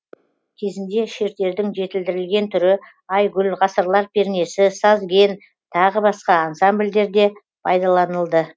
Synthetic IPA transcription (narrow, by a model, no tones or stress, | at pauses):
kʲʰe̞zɪnd̪e̞ʃe̞ɾt̪e̞ɾd̪ɪŋʒe̞t̪ɪld̪ɪɾɪlɡʲe̞nt̪ʰʏɾɪ | ɑjɡʲʏlʁɑsəɾlˠɑɾpʲʰe̞ɾne̞sɪsɑzɡʲe̞n | t̪ʰɑʁəbɑsqɑɑnsambld̪e̞ɾd̪e̞ | pʰɑjd̪ɑlˠɑnəlˠd̪ə